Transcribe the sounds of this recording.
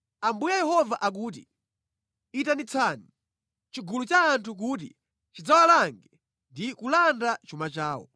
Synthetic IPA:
ambujajɛhɔvaʔak̬uːt̬i | itanit͡sʰani | t͡ʃiɡulut͡ʃaːntʰuk̬uːt̬ḭ | t͡ʃid͡zawalaŋɡɛ | ndikulandat͡ʃumat͡ʃaːwɔ̰

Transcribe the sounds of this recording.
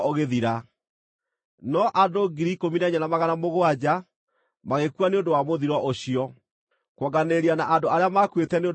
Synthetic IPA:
oɣeðiɾa | nɔʔadoɡiɾikominaɲanamaɣanamoɣoad͡ʑa | maɣekwaneondowamoðiɾwɔʔoɕiɔ | kwɔɡaneɾianaʔandoaɾeamakwetɛneo

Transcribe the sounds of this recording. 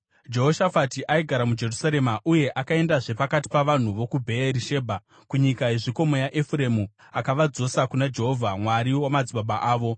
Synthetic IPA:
d͡ʒe̞ɦoʃafatiʔaiɡʱaɾamud͡ʒe̞rusaɾe̞maʔuje̞ʔakae̞ndaʐe̞pakati̥paʋan̤uʋo̞kubʱe̞eɾiʃe̞ːbʱa | kuɲikae̞ʐiko̞mojaʔefre̞mu | akaʋad͡zo̞sakunad͡ʒe̞ɦo̞vʱamwaɾiwamad͡ziɓaɓaʔaːʋo̞

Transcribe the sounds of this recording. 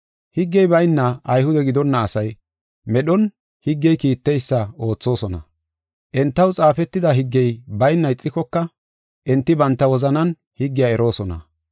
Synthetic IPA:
hɪɡːɛjbɐjnːɐʔːjhʊd̪ɛɡɪd̪ɔnːɐːsɐj | mɛɗɔn | hɪɡːɛjkiːt̪ːɛjsːɐo̞ːt͡sːo̞ːsɔnɐ̰ | ʔɛnt̪ːɐwt͡sʼaːfɛt̪ːɪd̪ɐɦɪɡːɛjbɐjnːɐɪt͡sʼːɪkɔkːɐ | ʔɛnt̪ːɪbɐnt̪ːɐwɔzɐnɐn | hɪɡːɪjaɛɾo̞ːsɔnɐ̰

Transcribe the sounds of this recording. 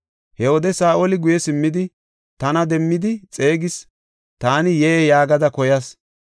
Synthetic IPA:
hɛwod̪ɛsaːʔolɪɡʊjɛsɪmːɪd̪ɪ | t̪ɐnɐd̪ɛmːɪd̪ɪt͡sʼe̞ːɡɪs | t̪aːnɪjejaːɡɐd̪ɐkɔjɐs

